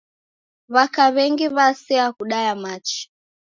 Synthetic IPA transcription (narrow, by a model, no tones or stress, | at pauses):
βakaβɛŋɡiβasɛakuɗajamat͡ʃi̥